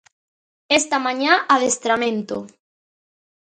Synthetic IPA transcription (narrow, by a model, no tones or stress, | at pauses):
est̪amãɲaʔaðest̪ɾamẽnt̪o̰